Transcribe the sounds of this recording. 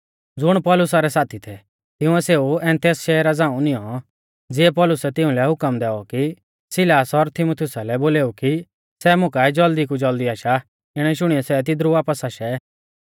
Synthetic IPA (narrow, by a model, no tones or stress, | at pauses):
d͡zʊɽ̃pɔlʊsaɾɛsaːt̪ʰit̪ʰɛ | t̪ɪũɛseːuɛ̃ːnt̪ɛːsʃɛːɾad͡zãːũnɪ̃jɔ | d͡zɪɛpɔlʊsɛt̪ɪ̃ũlɛɦʊkəmd̪ɛːɔki | sɪlaːsɔɾt̪ʰɪmut̪ʰɪjʊsalɛboːleːuki | sɛmʊ̃kaɛd͡ʒɐld̪ikud͡ʒɐld̪iaːʃa | ɪɽ̃ɛʃʊɽ̃iɔsɛt̪̬ɪd̪ɾuʋaːpəsaʃɛ